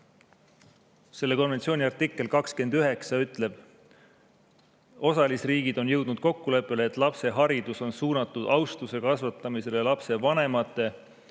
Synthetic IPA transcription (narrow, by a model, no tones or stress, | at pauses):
se̞lːe̞ko̞nve̞nt̪sio̞ːnʲiɑrt̪ikːˑe̞lkɑkske̞nd̪̥yɦe̞ksɑyt̪ˑle̞b̥ | o̞sɑlisriːɡ̥id̪̥o̞njɤwd̪̥nud̪̥̚ko̞kːule̞pːˑe̞leːt̪ːˑlɑpse̞ɦɑɾid̪̥uso̞nsuːnɑt̪ːˑud̪ɑwst̪use̞kɑsvɑt̪ːˑɑmise̞lelɑpse̞vɑne̞mɑt̪ˑːe̞